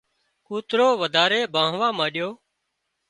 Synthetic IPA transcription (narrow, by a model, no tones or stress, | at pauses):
kuːt̪ɾoːʋəd̪ʱaːɾeːbʱãːɦʋãːmãːɗɪjoː